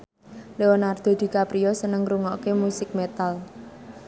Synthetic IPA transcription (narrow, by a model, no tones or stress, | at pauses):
leɔnard̪̥ɔ̤d̪̥i̤kapɾiɔsənəŋɾuŋɔkemusɪk̚met̪al